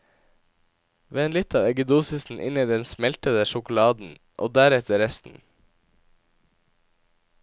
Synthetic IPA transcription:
ʋeːeːnlɪt̪ʰɑːʋɛɡəd̪uːsʏsn̩ʔɪ̰niːd̪ɛnsmɛlt̪əd̪əʃʊkʊlɑːd̪n̩ | ʔo̰ːd̪æːɾɛt̪ʰəɾɛst̪n̩

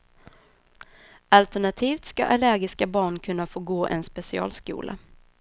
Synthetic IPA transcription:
ʔalt̪æɳat̪ʰiːft̪ska̰ʔalæɾɡɪskabɑːɳkʰɵnːafoːɡoːʔɛ̰nspɛsɪɑ̰ːlskṵːlʔa̰

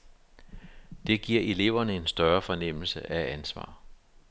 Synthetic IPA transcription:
d̥e̝ɡ̥iɐ̰e̝le̝ʊ̰ɐnəe̝nsd̥ɶɐfɒ̽nem̰l̩səʔæænsʋɑ̰̈ː

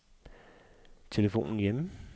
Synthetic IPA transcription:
t͡sʰe̝ləfo̝̰ːnn̩jem

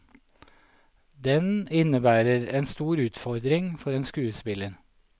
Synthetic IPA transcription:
d̪ɛnɪnəbæːɾəɾeːnst̪uːɾʉːt̪fɔɾd̪ɾɪŋfɔɾeːnskʉːəspɪləɾ

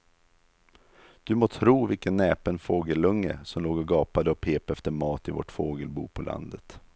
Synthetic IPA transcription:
d̪̥ɵmoːt̪ʰɾuːvɪlkənːɛːpənfoːɡəlːɵŋːə̰sɔmloːɡɔɡɑːpad̪əɔpʰeːpɛft̪əɾmɑːt̪ɪvɔ̰ʈfoːɡəlbṵːpʰɔlʔa̰nd̪ət̪

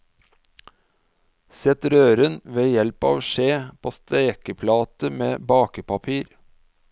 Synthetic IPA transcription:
sɛt̪ɾøːɾənʋeːjɛlpɑ̰ːʋʃeːpʰoːst̪ʰeːkəpʰlɑːt̪əmeːbɑːkəpɑpʰiːɾ

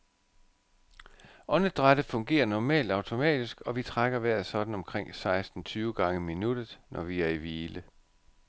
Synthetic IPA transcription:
ɒ̽nəd̥ʁad̥əfɔ̽ŋɡ̥e̝̰ːɐnɒmɛ̰ːld̥ɑ̈ʊt͡sʰo̝mɛ̰ːd̥isɡ̥ɒ̽ʋit͡sʰʁaɡ̥ɐʋæɐ̰ðˠsɒ̽d̥n̩ɒ̽mkʰʁeŋ̰sɑ̈ɪsd̥n̩t͡sʰyːʊɡ̥ɑ̈ŋəminud̥ð̩ˠnʔɒʋiæɐiʋiːlə

